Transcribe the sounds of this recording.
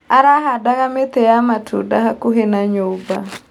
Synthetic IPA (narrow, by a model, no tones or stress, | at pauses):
aɾaɦadaɣamɛt̪ɛjamatʰṵdaɦakuɦɛnaɲuba̰